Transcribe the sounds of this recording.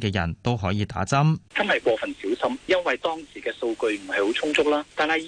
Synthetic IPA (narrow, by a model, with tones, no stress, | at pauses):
kɛː˧jɐ̰˨˩nt̪o˥wɦɔː˨˥jiː˨˧t̪a̰ː˨˥t͡sɐ˥mt͡sɐ˥nhɐ˨jkwɔː˧fɐ˨nsiː˨˥wsɐ˥mjɐ˥nwɐ˨jt̪ɔː˥ŋsiː˨˩kɛː˧so˧wkɵ˧ɥm̩˨˩hɐ˨jho˨˥wt͡sʰʊ˥ŋt͡sʊ˥k̚laː˥t̪aː˨nhɐ˨j